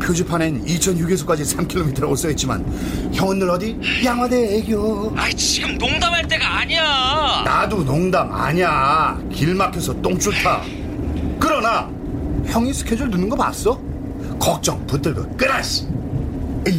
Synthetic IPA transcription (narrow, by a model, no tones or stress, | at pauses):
pʰjod͡ʑupʰanenit͡ɕʰʌnjuɡesʰo̥k͈ad͡ʑisʰamkʰilomitʰʌɾos͈ʌit̚t͡ɕ͈ima̰n | çjʌŋʌnːɯɾʌdi | jaŋɦwadeːɡoait͡ɕiɡɯmnoŋdamaɭt͈e̞ɡaːɲiana̰dunoŋdama̰ɲia | kiɭmakʰesʰʌt͈oŋt͡ɕ͈ʰuɭtʰa | kɯɾʌna | çjʌŋisʰɯ̥kʰjʌd͡ʑuɭnunɯnɡʌp͈a̰ts͈ʌ | kʌk̚t͡ɕ͈ʌ̰ŋput͈ɯɭɡʌk͈ɯɾaɕ͈i̥